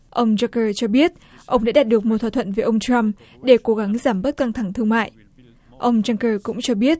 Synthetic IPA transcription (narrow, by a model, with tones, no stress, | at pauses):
ʔə˧wŋ͡mza˧kəː˧t͡ɕɔ˧ɓi˦˥ət̚ | ʔə˧wŋ͡mɗa̰ː˧˥ɗaː˨˩t̚ɗɨ˨˩ək̚mo˨˩t̪̚ʰwaː˧˨˩t̪ʰə̰˧˨nveː˨˦ʔə˧wŋ͡mt͡ɕɾa˧m | ɗe˧˩ko˨˦ɣa˨˦ŋzaː˧˩mɓə˦˥t̚ka˧ŋt̪ʰa˧˩ŋt̪ʰɨ˧əŋma̰ː˧˨j | ʔə˧wŋ͡mzaː˧ŋkəː˧kʊ̰˧˥ŋ͡mt͡ɕɔ˧ɓi˦˥ət̚